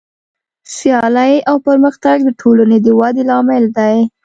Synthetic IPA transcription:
sjɑlajawpəɾməxt̪aɡd̪əʈʰolaned̪əwad̪elɑmɪld̪aj

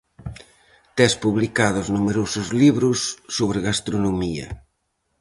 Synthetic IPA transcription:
t̪ɛspuβlikaðʊznumeɾosʊzliβɾʊsːoβɾɪɣast̪ɾonomiɐ̰

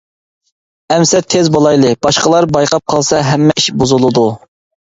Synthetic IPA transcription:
ɛmsɛt̪ʰːezbolˠɑjlˠɨb̥ɑʃqəlˠɑɾbɑjqʰɑp̚qʰɑlˠsɑɦɛmːɛʔiʃbozulˠɨd̪u

